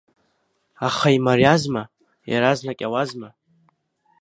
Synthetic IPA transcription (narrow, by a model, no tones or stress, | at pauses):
aχaimarjazma | ja̰ɾaznakʲʼawazma